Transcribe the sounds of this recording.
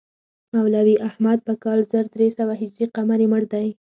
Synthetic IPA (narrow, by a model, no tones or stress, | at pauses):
awlawiʔahmad̪̚pəkɑlzəɾd̪ɾesawaɦɪd͡ʒɾiqamaɾiməɽd̪aj